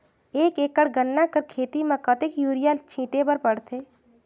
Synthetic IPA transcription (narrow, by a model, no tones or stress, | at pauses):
eːkeːkːəɽɡənːakəɾkʰeːt̪imẽkət̪ekjuːɾɪjalt͡ʃʰĩːʈepəɾpəɽ̤t̪ʰeː